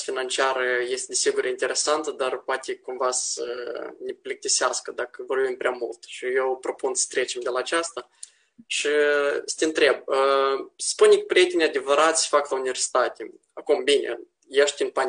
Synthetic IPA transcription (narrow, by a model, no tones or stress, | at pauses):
fʲinant͡ʃiaɾəjest̪ʲed̪ʲesʲiɡuɾʲint̪eɾʔesant̪əd̪arpoat̪ʲekumvasə̰nʲeplʲek̚t̪ʲisʲeaskəd̪akəvo̞rbimpɾʲamult̪ʃijewpɾo̞punsə̥t̪ɾe̞t͡ʃemd̪ʲelaːt͡ʃast̪a | ʃisə̥t̪ʲent̪ɾeb̚əsspunʲikpɾʲijet̪ʲenʲad̪ʲevəɾat̪sʲə̥faklaunʲivʲersʲi̥t̪at̪ʲe | akumbinʲḛ | jʃt̪ʲinpan